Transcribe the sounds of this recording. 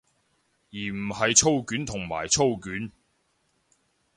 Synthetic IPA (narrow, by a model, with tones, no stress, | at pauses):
jiː˨˩m̩˨˩hɐ˨jt͡sʰo˥wkyː˨˥nt̪ʰʊ˨˩ŋma̰ː˨˩jt͡sʰo˥˧wkyː˨˥n